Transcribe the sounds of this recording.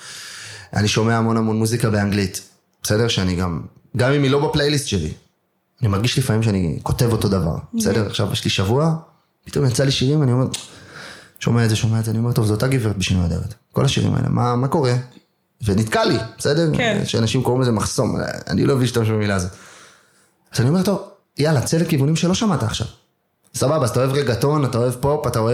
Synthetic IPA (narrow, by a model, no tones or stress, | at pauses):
a̰niʃo̞meaːmo̞namo̞nmuzikabe̞aŋɡlit | b̥ese̞deʁʃeaniɡam | ɡamimilo̞baplejlistʃelḭ | animaʁɡiʃlifamimʃeaniko̞te̞vo̞to̞dava̰ʁbese̞de̞ʁa̰χʃavjeʃliʃavua | pi̥t̪o̞mjat͡saliʃiʁimanio̞me̞ʁ | ʃo̞meaezeʃo̞meaedzeanio̞me̞to̞vzootaɡiveet̚beʃinuadeʁetko̞̰laʃḭʁḭma̰ḛlḛmʔa̰mako̞ʁe̞ | venit̪kalibese̞deʁʃeanaʃimkoimezemaχso̞ma̰nḭloeviʃtamaʃ̬ubemilazo̞t̪ | az̥anio̞me̞to̞v | jalat͡selekivunimʃelo̞ʃamat̪aːχʃa̰v | sababat̪ao̞e̞vʁeɡato̞nat̪aoe̞vpo̞pataoe